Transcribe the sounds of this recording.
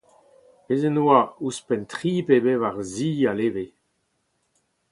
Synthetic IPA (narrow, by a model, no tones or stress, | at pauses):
ezenoauspɛntχiːpebevaʁziːaleːve